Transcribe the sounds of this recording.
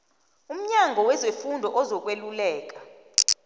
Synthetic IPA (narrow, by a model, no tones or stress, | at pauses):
um̩ɲaŋɡʱɔwɛzefundʱɔʔɔzɔk̬ʼwelulɛːk̬ʼḁ